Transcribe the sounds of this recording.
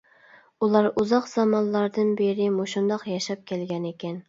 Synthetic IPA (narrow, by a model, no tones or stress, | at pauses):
ulˠɑɾuzɑqz̥ɑmɑnlˠɑɾd̪ɨnbeɾɪmoʃund̪ɑqjɑʃɑp̚kʲɛlɡʲɛnekʲɛn